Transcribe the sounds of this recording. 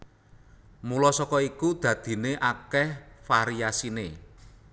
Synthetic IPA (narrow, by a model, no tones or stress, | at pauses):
mulɔsɔkɔikud̪̥ä̤d̪̥i̤neʔakɛhfaɾiasinḛ